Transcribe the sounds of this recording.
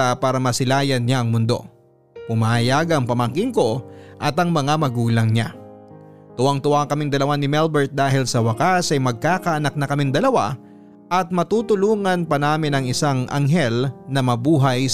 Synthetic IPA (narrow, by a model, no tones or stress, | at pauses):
apaːɾɐmɐsɪlaːjɐnɲaʔɐŋmʊnd̪o̞̰ | pʊmaːjaɡɐŋpɐmɐŋkɪŋko̞ʔɐt̪ɐŋmɐŋamɐɡuːlɐŋɲa̰ | t̪ʊwaŋt̪ʊwakɐmɪŋd̪ɐlɐwanɪmɛlbɛɹt̪̚d̪aːhɪlsɐwɐkasɐjmɐɡ̚kaːkɐʔɐnak̚nɐkɐmɪŋd̪ɐlɐwa | ʔɐt̪̚mɐt̪uːt̪ʊluːŋɐnpɐnaːmɪnɐŋɪsaŋʔɐ̰ŋɦɛlnɐmɐbuːɦɐj